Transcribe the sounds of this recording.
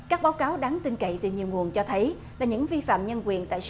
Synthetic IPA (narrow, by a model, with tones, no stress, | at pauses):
kaː˦˥k̚ɓaː˨˦wkaː˨˦wɗaː˨˦ŋt̪ï˧ŋkə̰˧˨jt̪ɨ˨˩ɲi˨˩əwŋu˨˩ənt͡ɕɔ˧t̪ʰə˨˦j | laː˨˩ɲɨ̰˧˥ŋvi˧fa̰ː˧˨mɲə˧nkwi˨˩ənt̪a̰ː˧˨j